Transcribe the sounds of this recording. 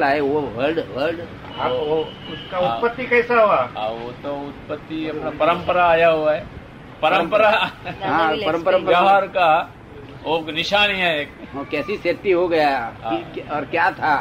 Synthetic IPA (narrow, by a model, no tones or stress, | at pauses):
laːeʋoʋəɾɖʋəɾɖ | aːo | ʊskaʊt̪pət̪ːikɛːsaɦoaːã̰ʋot̪oʊt̪̚pət̪ːiɐpnapɐɾə̃mpəɾaaːjaɦuaɦɛː | pɐɾə̃mpəɾaɦãpɐɾə̃mpəɾə̃mpaɦaːɾka | oːknɪʃaːniɛeːkokɛːsiseːt̪ːiɦoɡɐjaikɔːɾkjat̪ʰa